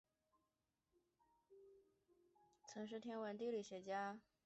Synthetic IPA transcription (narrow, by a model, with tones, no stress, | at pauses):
t͡sʰə˧˥nʂ̬ɻ̩˥t̪ʰjɛ˥nwə˧˥nt̪i˥˧li˥˩ɕɥɛ˧˥t͡ɕja˥